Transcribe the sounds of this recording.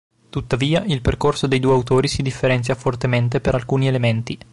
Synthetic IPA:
t̪ut̪ːaviːailperkorsod̪ejd̪uːeawt̪oːɾisid̪ifːeɾɛnt̪sjafort̪ement̪̬epeɾalkuːnielement̪i

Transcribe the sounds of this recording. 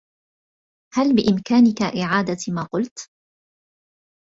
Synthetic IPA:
halbɪʔɪmkaːnɪkaʔɪʕaːd̪amaːqʊlt̪

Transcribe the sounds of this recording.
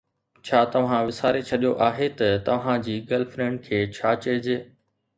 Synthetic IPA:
t͡ɕʰaːt̪ɐʋ̤ãʋɪsaːɾet͡ɕʰɐɗijoʔaːɦet̪ɐt̪ɐʋɦãd͡ʑiːɡɐlfɾẽːɳɖ̚kʰeːt͡ɕʰaːt͡ɕɐd͡ʑeː

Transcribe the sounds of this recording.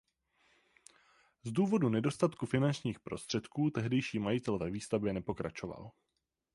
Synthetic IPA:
zduːvo̞dunɛdo̞st̪at̪kufɪnant͡ʃɲiːxpɾo̞̰st̪r̝̥ɛt̪kuːt̪ɛɦdɛjʃiːmajɪt̪ɛlvɛviːst̪avbjɛnɛpo̞kɾa̰t͡ʃo̞va̰l

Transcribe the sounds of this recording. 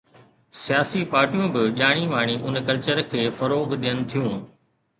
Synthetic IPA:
sijaːsipaːɾʈijũbɪɗaːɽ̃iʋaːɽ̃iʔʊnkɐlt͡ɕəɾkʰeːfɐɾoːɡɗijənɪ̆t̪ʰijũː

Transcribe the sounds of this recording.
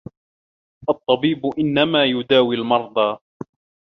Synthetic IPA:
ʔɑt̪ˤːɑbiːbʊʔɪnːamaːjʊd̪aːwɪlmɑɾˤd̪ˤɑː

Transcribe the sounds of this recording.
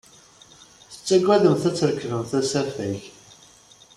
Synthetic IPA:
θə̥t͡sːæɡːæðəmθæt͡sːəɾəkːəvəmθæsæfæç

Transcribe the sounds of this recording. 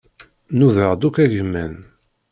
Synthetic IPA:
nuðəʁd̪ukæʝəmːæn

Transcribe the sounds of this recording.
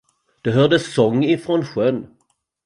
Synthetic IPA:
d̪̥ɛɦœːd̪əsɔŋːɪfɾoːnɧœn

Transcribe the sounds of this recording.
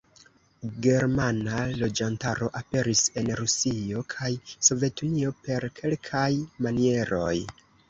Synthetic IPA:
ɡe̞ɾmanalo̞d͡ʒantaɾo̞ʔape̞ɾise̞nɾusio̞kʰajso̞ve̞tunio̞pe̞ɾkʰe̞lkʰajmanie̞ɾo̞̰j

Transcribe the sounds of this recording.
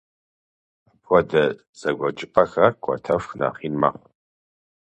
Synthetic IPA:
apʰʷɔdɐ | z̥ɐɡʷɔt͡ʃʼɪpʼɐxɐkʷʰʼɔ̰tʰɐfxna̰ːχiːnma̰ːqʷ

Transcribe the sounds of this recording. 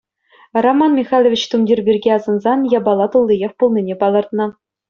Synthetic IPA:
romɑnmʲixɑlʲˠovʲit͡ɕt̪umdʲirʲbʲirʲɡʲeɑzɤ̆nzɑnjɑbɑlˠːɑt̪ulˠːijeχpulˠnʲinʲepɑlˠɤ̆rt̪nɤ̆

